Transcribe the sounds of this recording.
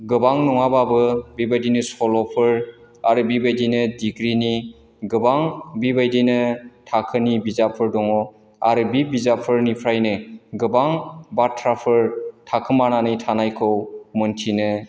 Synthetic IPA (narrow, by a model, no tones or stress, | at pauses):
ɡɯbaŋnɔŋababɯbibajdinɯsɔlɔpʰɯɾ | aɾɯbibajdinɯdiɡɾini | ɡɯbaŋbibajdinɯtʰakʰɯnibizapʰɯɾdɔŋɔ | aɾɯbibizapʰɯɾnipʰɾajnɯɡɯbaŋbatʰɾapʰɯɾtʰakʰɯmananɯjtʰanajkʰɯwmɯntʰinɯ